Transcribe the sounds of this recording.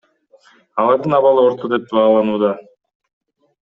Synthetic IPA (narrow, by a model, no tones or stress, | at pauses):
ɑlˠɑɾd̪ɯnɑβɑlˠɯo̞ɾt̪ʰod̪e̞p̚bɑːlˠɑnuːd̪ɑ